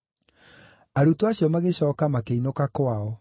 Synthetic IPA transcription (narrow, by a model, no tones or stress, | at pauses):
aɾutwaɕjɔmaɣeɕɔːkamakeinokakwaɔ